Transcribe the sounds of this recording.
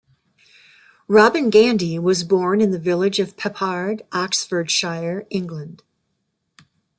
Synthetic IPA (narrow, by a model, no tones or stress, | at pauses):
ɹɑbɨ̃nɡæ̃ndiwʌzbɔɹnɨ̃nðɨvɪlˠɪd͡ʒʌv̥pʰɨpʰɑɹɾʔɑksfə˞d̥ʃaɪə˞ɪ̃ŋɡlɨ̃nd̥